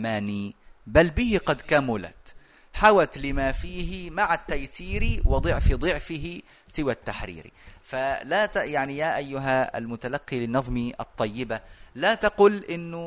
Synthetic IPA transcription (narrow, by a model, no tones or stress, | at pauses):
maːnibalːbɪhɪqɑd̪kamʊla̰t̪ | ħawat̪lɪmafiːɦɪmaʕat̪ːajsiːɾiwɪd̪ˤɨʕfɪd̪ˤɨʕfɪɦɪ | sɪwat̪ːaħɾḭːɾḭfalat̪jaʕnijaːʔajːʊɦaa̰lmʊt̪alaqːilɪnːɑðˤmiʔɑ̰t̪ˤːɑjːɪbalat̪ɑqʊlʔɪnːʊ